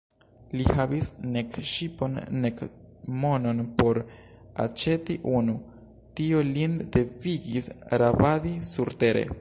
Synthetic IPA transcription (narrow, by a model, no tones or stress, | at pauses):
lihavisne̞kʃipo̞nːe̞kmo̞no̞npo̞ɾ | a̰t͡ʃe̞tiʔunu | tio̞linde̞viɡisɾavadisuɾte̞ɾḛ